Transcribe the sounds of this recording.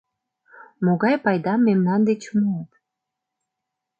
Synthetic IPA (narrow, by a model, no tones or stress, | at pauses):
moɣɑjpɑjd̪ɑmːemnɑnd̪et͡ɕmuɑt̪